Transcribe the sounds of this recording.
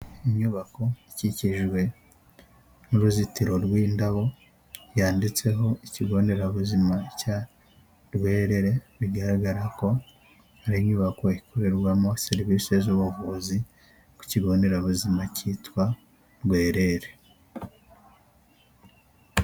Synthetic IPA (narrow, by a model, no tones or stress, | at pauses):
iɲɲuβako̞iciciʒɡwe̞ | nuɾuzitiɾo̞ɾwiːndaβo̞ | jaːndit͡se̞ɦo̞iciɡo̞ːnde̞ɾaβuzimaca | ɾɡwe̞ːɾe̞ɾe̞βiɡaɾaɡaɾako̞ | haɾimɲuːβako̞ikʰoɾe̞ɾɡwamose̞ɾiβiːse̞zuβuvuzi | ku̥ciɡo̞ːnde̞ɾaβuzimaciːtwa | ɾɡwe̞ːɾe̞ɾe